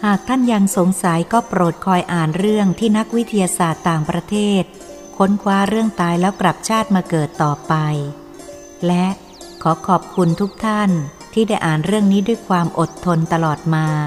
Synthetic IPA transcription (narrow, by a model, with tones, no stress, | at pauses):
haː˨˩k̚t̪ʰa˥˩nja˧ŋso˩˦ŋsa˩˦jkɔː˥˩pɾoː˨˩t̪̚kʰɔː˧jʔaː˨˩nɾɯ˥˩əŋt̪ʰiː˥˩na˦˥k̚wi˦˥t̪ʰa˧jaː˧saː˨˩t̪ːaː˨˩ŋpɾa˧t̪ʰeː˥˩t̪̚ | kʰo˦˥nkʰwaː˦˥ɾɯ˥˩əŋt̪aː˧jlɛː˦˥wkɾa˨˩p̚t͡ɕʰaː˥˩t̪̚maː˧kɤː˨˩t̪ːɔː˨˩pa˧j | lɛ˦˥ʔ | kʰɔː˩˦kʰɔː˨˩p̚kʰu˧nt̪ʰu˦˥k̚t̪ʰa˥˩n | t̪ʰiː˥˩daː˥˩jʔaː˨˩nɾɯ˥˩əŋniː˦˥du˥˩əjkʰwaː˧mʔo˨˩t̪ʰːo˧nt̪a˧lɔː˨˩t̪̚maː˧